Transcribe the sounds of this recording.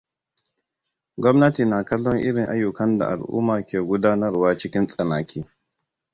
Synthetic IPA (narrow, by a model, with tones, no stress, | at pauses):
ɡʷɔ˦mnɐ˦tiː˨na˨kɐ˦lːɔ˦ŋʔɪ˦ɽɪ˨ŋʔa˦jːʊ˨kɐ˦nda̰˨ʔa˨lʔṵː˦maː˨kʲeː˨ɡʷʊ˦daː˦nɐ˦rwaː˦t͡ʃɪ˦kʲɪ˦nsʼɐ˨naː˨kʰʲiː˦